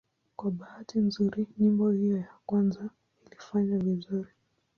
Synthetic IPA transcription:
kwaɓahatinzuɾiɲimbɔhijɔjakwanza | ilifaɲavizuɾi

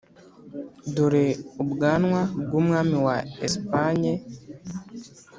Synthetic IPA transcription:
duɾeubuɡaːnwabɡwoːmŋaːmiwaespaɲe

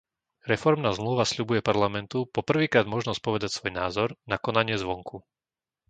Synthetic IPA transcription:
ɾɛfɔɾmnaːzmluːʋasʎubujɛpaɾlamɛnt̪upɔpr̩ʋiːkɾaːd̪mɔʒnɔs̚pɔʋɛd̪acsʋɔjnaːzɔɾnakɔnaɲɪɛzʋɔŋkʰu

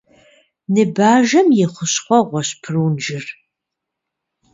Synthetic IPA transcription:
nɨbaːʒɐmjɛχʷʊɕχʷɔʁʷɔɕpʰɨruːnʒɪr

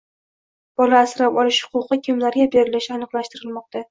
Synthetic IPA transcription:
b̥ɒlaːsɾapɒlɪʃhʊ̥qʊqɨkʲʰɪmlaɾɡʲabe̞ɾɪlɪʃanɨqlˠaʃt̪ɪɾɪlmɒq̚t̪ʰa

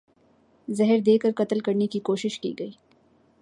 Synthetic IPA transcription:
zɛɦəɾd̪eːkəɾkɐt̪əlkɐɾnekikoːʃɪʃkḭːɡɐiː

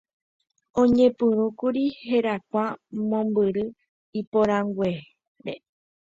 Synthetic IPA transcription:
õɲẽ̞pɨ̃ɾ̃ũkuɾihe̞ɾakʷamõ̞mbɨɾɨ | ipoɾãŋɡwʷe | ɾe

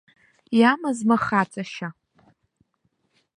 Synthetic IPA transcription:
jamazmaχat͡sʼaʃa

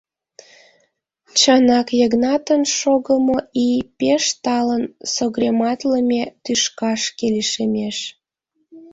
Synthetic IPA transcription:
t͡ɕɑnɑkjəɣnɑt̪ənʃoɣəmoipeʃt̪ɑlənsoɣremɑt̪ləmʲet̪yʃkɑʃkeleʃemeʃ

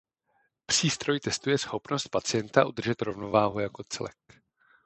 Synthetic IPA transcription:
pr̝̥iːst̪ɾo̞jt̪ɛst̪ujɛsxo̞pnost̪̚pat͡sɪjɛnt̪aʔud̪r̩ʒɛt̪ɾo̞vno̞vaːɦujako̞t͡sɛ̰lɛ̰k

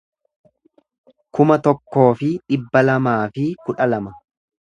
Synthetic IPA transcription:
kʊmɐt̪ɔkːo̞ːfɪᶑɪbːɐlɐmaːfɪkʊᶑɐlɐmɐ

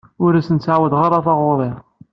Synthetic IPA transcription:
ʊɾæsənt̪saʕwəd̪ʁɑɾˤɑθɑʁʊɾˤeʁ

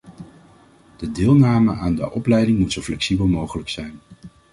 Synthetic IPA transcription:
d̥ədɪːlˠnaːməʔaːndə̰ʔɔplɛjdɪŋmutsowflɛksibəlˠmowχələksɛjn

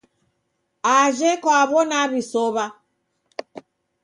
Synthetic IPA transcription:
aʒɛkwaβɔnaβisɔβa

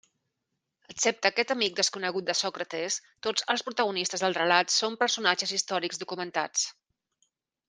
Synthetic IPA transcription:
əksɛp̚t̪əːkɛt̪əmik̚d̪əskunəɣ̞ut̪̚d̪əsɔkɾət̪est̪od͡zəlˠspɾut̪əɣunist̪əzðəlˠrəlat̪sompəɾsunad͡ʒəzist̪ɔɾikɡzðukumənt̪a̰t͡s

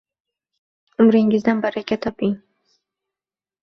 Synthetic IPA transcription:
ʊmɾɪŋɪzd̪anbaɾakʲʰat̪ʰɒpʰɪŋ

